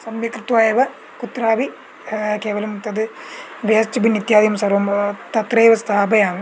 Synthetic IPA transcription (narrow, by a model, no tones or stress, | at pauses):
sɐmjɐkɾɨt̪ʋaːjeːʋɐ | kut̪ɾaːʋi | keːʋɐlɐmt̪ɐd̪ɨʋɐɐst͡ʃɐbinːit̪jaːd̪ijɐmsɐɾʋɐmt̪ɐt̪ɾeːʋɐst̪ʰaːbɐjaːm